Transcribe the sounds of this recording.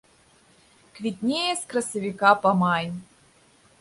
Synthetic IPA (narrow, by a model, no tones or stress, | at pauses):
kvʲit̪ʲnʲejesʲkrɐsɐvʲikapɐmɑnʲ